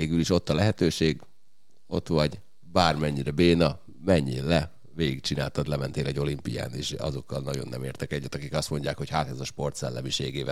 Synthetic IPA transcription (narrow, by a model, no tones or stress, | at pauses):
eːɡyliʃo̞t̪ːɒlɛɦɛt̪øːʃeːɡ | o̞̰t̪ʋɒɟ | baːrmɛɲːiɾɛbeːnɒ | mɛɲːeːllɛ | ʋeːɡik̚t͡ʃinaːlt̪ɒd̪lɛmɛnt̪eːlɛɟo̞limpija̰ːneːʃɒ̰zo̞kːɒlnɒɟo̞̰nːʔɛ̰mḛːrt̪ɛkɛɟːɛt̪ɒkikɒst̪mo̞ɲɟaːkho̞chaːt̪ɛzɒʃpo̞rt̪sɛlːɛmiʃeːɡeːvɛ̰